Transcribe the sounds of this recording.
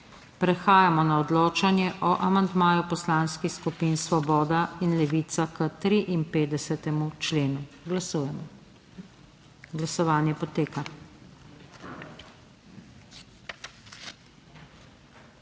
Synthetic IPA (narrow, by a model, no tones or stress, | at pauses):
pɾɛxaːjamɔnaɔd̪loːt͡ʃanjɛʔɔʔamand̪maːjupɔslaːnskixskupiːnsʋɔbɔːd̪ainlɛʋiːt̪sakət̪ɾiʔinpeːd̪ɛsɛt̪ɛmut͡ʃleːnulujɛmɔ | ɡlasɔʋaːnjɛpɔt̪eːka